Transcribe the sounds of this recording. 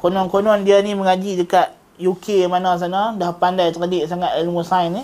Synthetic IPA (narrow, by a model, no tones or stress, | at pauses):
konɔnkonɔndianiməŋad͡ʒidəkat̪̚ | jukʰemanas̬anadahpandajt̪əɾadiʔsaŋat̪ilmusaini